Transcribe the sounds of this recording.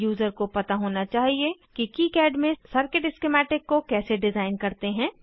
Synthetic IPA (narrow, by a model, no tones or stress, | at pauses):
juːzəɾkopɐt̪aɦoːnat͡ʃaːɦiekikikɛːɖmẽsɐɾkɪʈɪskemɛːʈɪkːokɛːseɖɪzaːɪnkɐɾt̪eɦɛ̃ː